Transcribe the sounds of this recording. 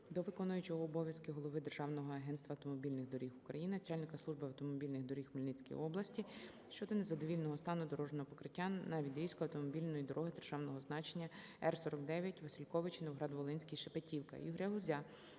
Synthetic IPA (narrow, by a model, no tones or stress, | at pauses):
d̪ɔʋɪkɔnʊjʊt͡ʃɔɦɔːbɔʋʲjɐskɪɦɔlˠɔʋɪd̪erʒɑwnɔɦɔɐɦɛnst̪ʋɐwt̪ɔmɔbʲilʲnɪɣd̪ɔɾʲixʊkɾɐjinɪnɐt͡ʃɑlʲnɪkɐslˠuʒbɪɐwt̪ɔmɔbʲilʲnɪɣd̪ɔɾʲixmɔlʲnɪt͡sʲkḭj̰ɔblˠɐsʲtʲi | ʃt͡ʃɔd̪ɔnezɐd̪ɔʋʲilʲnɔɦɔst̪ɑnʊd̪ɔɾɔʒnɔɦɔpɔ̥kɾɪtʲːanːɑʋʲid̪ʲɾʲisʲkʊɐwt̪ɔmɔbʲilʲnɔjid̪ɔɾʔɔɦɪd̪erʒɑwnɔɦɔznɑt͡ʃenʲːɐ | ɛrsɔɾɔkd̪ɛʋʲjɐtʲʋɐsʲilʲkɔʋɪt͡ʃinɔʋɦɾɑd̪ʋɔlˠɪnʲsʲkʲijʃepetʲiwkɐ̰ʔḭɦɾʲɛɦʊzʲa